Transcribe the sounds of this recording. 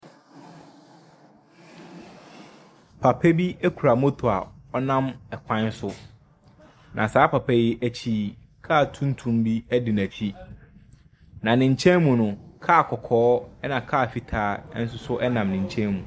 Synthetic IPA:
pʰa˨pʰɛ˦bi˦æ˦kʰu˨ɾa˨mo˦tʰo˨a˨ɔ˦nã˦mɛ˨kʷʰã˦n˦sʊ˦ | nʔã̰˨saː˦pʰa˨pʰɛ˦jɪ˦ʔæ˦t͡ɕʰiː˦˨ | kʰa˦˨tʰũ˦n˦tʰũ˦mbi˦æ˦dɪ˨næ̃˨t͡ɕʰi˦ | nã˨nɪ̃˨ɲ̩˨t͡ɕʰɛ̃˦nmũ˨nʊ̃˨kʰaː˦˨kʰɔ˨kʰɔː˦ɛ˦nã˨kʰaː˦˨fi˨tʰaː˨˦n̩˦sʊ˦sʊ˦ʔɛ˦nã˨mnɪ̃˨ɲ˨t͡ɕʰɛ̃˦nmũ˨

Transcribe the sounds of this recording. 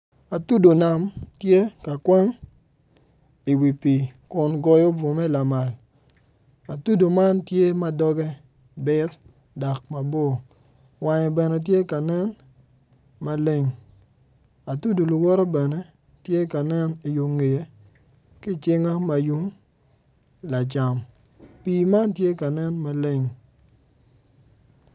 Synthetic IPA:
a˨tu˦do˨na˨mtje˦ka˨kwa˦ŋ | i˨wi˨pi˨kʊ˨nɡɔ˦jo˦bo˨mɛ˦la˨ma˨l | a˨tu˦do˨ma˦ntje˦ma˦dɔ˦ɡɛ˦ | bɪ˦t | dɔ˨k̚ma˨bo˦˨ | wa˨ɲɛ˨bɛ˨nɛ˨˦t̬je˦ka˨nɛ˦n | ma˨le˦ŋ | a˨tu˦do˨lʊ˨wɔ˦ɾɔ˦bɛ˨nɛ˦ | tje˦ka˨nɛ˦ni˨ju˨ŋːe˨je˦ | kɪ˦t͡ʃɪ˦ŋa˦ma˨ju˦ŋ | la˨t͡ʃa˨m | piː˨ma˦ntje˦ka˨nɛ˦nma˨le˦ŋ

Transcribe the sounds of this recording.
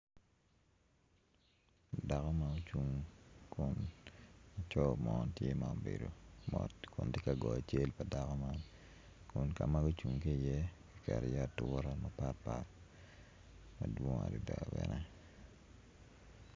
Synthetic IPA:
da˨kɔ˦ma˨o˦t͡ʃu˨ŋkʰʊ˦n | a˨t͡ʃɔ˦mɔ˦tje˦ma˨o˨be˨do˨mɔ˨tkʊ˨ndi˦ka˨ɡɔ˨a˨t͡ʃe˦lpa˨da˨kɔ˦ma˦n | kʊ˦nka˨ma˦ɡo˦t͡ʃu˨ŋke˦i˨jɛ˦ki˦kɛ˨ɾɛ̰˨ja˦˨tʊ˦ɾa˦ma˨pa˦pa˦ | mɐ˨dwo˦ŋa̰˨ɾi˨dɛ̰˨ɔ˨bɛ̰nɛ

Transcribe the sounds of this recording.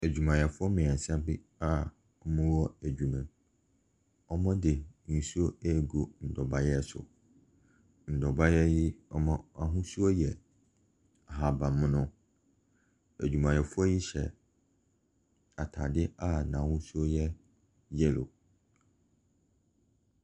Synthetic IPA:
æ˨d͡ʑᶣu˨mã˨jɛ˨fʊ˦ɔ˦mɪ̃˨ɛ̃˨sã˦bɪ˦ | a˦ | ɔ˦mã˦wɔ˦æ˨d͡ʑᶣu˨mɛ̃˨ | ɔ˦mɔ̃˦dɪ˨nĩ˨su˦o˦ɛ˦˨ɡo˨n̩˨dɔ˨ba˦jɛ˦˨sʊ̰˨ | n̩˨dɔ˨ba˦jɛ˦ji˦ɔ˦mã˦a˨ɦʊ̃˦su˦o˦jɛ˨ | a˨ɦa˨bã˨mʊ̃˦nʊ̃˦ | æ̰˨d͡ʑᶣu˨mã˨jɛ˨fʊ˦ɔ˦ji˦ɕɛ̰˨ | a˨tʰa̰˨dɪ˦a˦nã˨hʊ̃˦su˦o˦jɛ˦ | jɛ˦lo̰˨

